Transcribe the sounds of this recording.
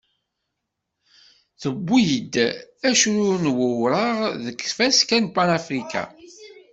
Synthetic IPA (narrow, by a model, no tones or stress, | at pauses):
θəbːijəd̪ːæʃuɾʊnwəwɾəʁðəkːθfæskænpanafɾika̰